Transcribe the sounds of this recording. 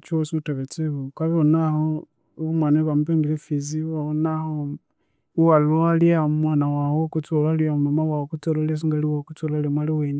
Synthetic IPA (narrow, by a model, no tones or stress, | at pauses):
t͡ʃuwosiutaβet͡seβokaβonaho | βomwaneβamupembilefiziβaonaho | uwalualiamwanawahokut͡solaliaumamawaokut͡sololes̬iŋɡaliwakut͡solalemwaliweni